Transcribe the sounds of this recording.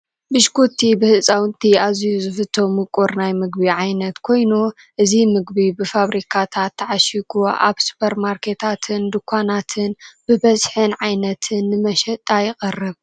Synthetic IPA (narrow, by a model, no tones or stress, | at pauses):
bɨʃkʰot̪ʰibɨhɨsʼawnt̪ʰiazjuzɨfɨt̪ʰːomɨkʼoɾnajmɨɡ̚biʕajnɐt̪kʰo̞jnu | ʔɨzimɨɡbibɨfaβɾikʰat̪ʰat̪ʰːaʕaʃiɡuʔa̰βsu̥pʰɐɾmaɾkʰe̞t̪ʰat̪ʰɨnd̪ɨkʰʷːanat̪ʰɨnbɨbɐzħɨnʕajnɐt̪ʰɨnːɨmɐʃɛt̪ʼajɪχʼɨrːɨβ